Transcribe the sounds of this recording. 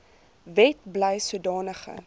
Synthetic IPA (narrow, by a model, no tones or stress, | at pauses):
vɛt̚bləjsuədɑːnəχə̰